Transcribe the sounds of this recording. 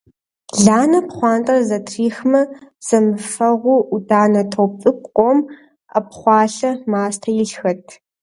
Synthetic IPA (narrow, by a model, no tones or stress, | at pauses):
ɮaːnɐpχʷɑːntʼɐrzɐtʰriːxmɐz̥ɐmɨfɐʁʷʊudʼaːnɐtʰowpt͡sʼɨk̚ʷqʷʼɔm | ɐpχʷɑːɬɐmaːstʰɐjɪɬxɐtʰ